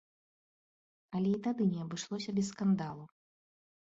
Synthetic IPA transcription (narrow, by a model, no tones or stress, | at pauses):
ɐlʲɛit̪ad̪ɨnʲɛɐbɨʂlˠɔsʲɐbʲɛsskand̪alˠu